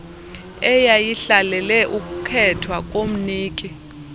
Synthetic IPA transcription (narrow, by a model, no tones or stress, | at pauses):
ɛjajiɬalɛlɛʔuk̬ʼukʰɛtʰwak̬ʼom̩niːkʼi